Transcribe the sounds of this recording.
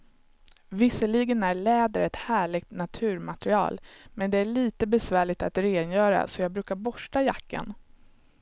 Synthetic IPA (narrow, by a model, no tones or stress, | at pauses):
vɪsəliɡənæɭɛːd̪əɾɛt̪hæːɭɪɡ̚t̪nat̪ʰʉ̟ːɾmat̪ɾɪɑ̰ːlmɛnd̪ɛæɭiːt̪əbɛsvæːɭɪɡ̚t̪at̪ɾeːnjœːɾa̰sɔjɑːɡ̚bɾʉ̟ːkaɾbɔʂʈajakːə̰n